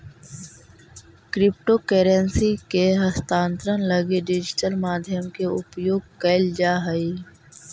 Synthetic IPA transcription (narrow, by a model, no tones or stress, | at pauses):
kɾɪp̚ʈokeːɾensikeɦəst̪ãːnt̪ɾənləɡeɖɪd͡ʒɪʈəlmaːd̪ʱjəmkeʊpjoːɡ̚kəɪld͡ʒaːɦəi